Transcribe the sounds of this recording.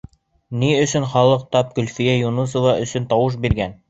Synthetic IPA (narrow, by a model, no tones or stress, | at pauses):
niɵ̆sɵnχɑlˠɤq̚t̪ɑp̚kɵ̆lfijæjunus̬ŏvɑʔɵ̆sɵnt̪ɑwɤʃ̬biɾɡæn